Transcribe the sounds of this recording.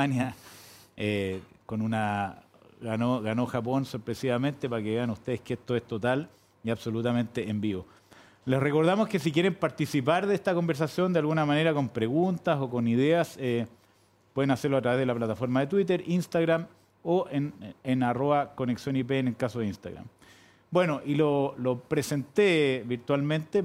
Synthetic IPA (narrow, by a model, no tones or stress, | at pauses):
anja | eko̞nuna | ɣanoɣano̞xapo̞nsoɾpɾesiβamẽ̞nt̪e̞paɾkeeanust̪e̞ðeskeest̪oest̪o̞t̪al | iaβso̞lut̪amẽ̞nt̪e̞embiβo̞ | lesreko̞ɾðamoskesik̬ʲjeɾe̞mpaɾt̪isip̬aɾðeest̪ako̞mbeɾs̬asjo̞nd̪ealɣunamaneɾako̞mpɾe̞ɣunt̪aso̞ko̞niðease | pwe̞ðenaseɾloat̪ɾaβe̞ðelaplat̪afo̞ɾmaðet̪̬wit̪̬eɾinst̪aɣɾam | oʔenenaro̞βako̞neksjonip̬eneŋkasoðinst̪a̰ɣɾa̰m | bwe̞no̞ʔilolopɾese̞nt̪eβiɾt̪walmẽnt̪e